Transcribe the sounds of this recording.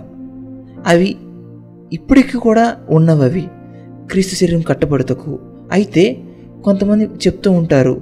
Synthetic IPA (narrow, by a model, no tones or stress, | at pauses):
ɐʋi | ipːuɽikikuːɽaːunːɐʋɐʋi | kɾiːst̪usɐɾjɐmkɐʈːɐpɐɽut̪ɐkːu | ɐjit̪e̞ː | ko̞nt̪ɐmɐnd̪it͡ʃe̞pu̥t̪uːɳʈaːɾṵ